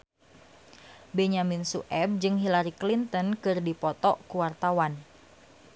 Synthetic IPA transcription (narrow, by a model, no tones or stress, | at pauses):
bɛɲaminsṵʔɛb̚d͡ʒɨŋɦilaɾiklint̪ənkɨrdipɔt̪ɔʔkuwart̪awan